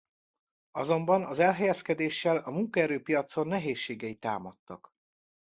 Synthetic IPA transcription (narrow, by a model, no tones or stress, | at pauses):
ɒzo̞mbɒnɒzɛlɦɛjɛskɛd̪eːʃːɛlɒmuŋkɒɛɾøːpijɒt̪so̞nːɛɦeːʃːeːɡɛit̪a̰ːmɒt̪ːɒ̰k